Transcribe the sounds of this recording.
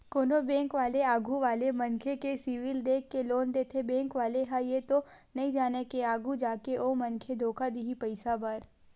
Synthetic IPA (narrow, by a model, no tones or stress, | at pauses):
koːnobɛ̃ːŋkʋaːleaːɡʱuʋaːlemɐ̃nkʰekesiʋɪld̪eːkːeloːnd̪eːt̪ʰebɛ̃ːŋkʋaːleɦajet̪onɐɦĩd͡ʒaːnekeaːɡʱud͡ʒaːkeʔoːmɐnkʰed̪ʱoːkad̪iɦipɐɪsabaɾ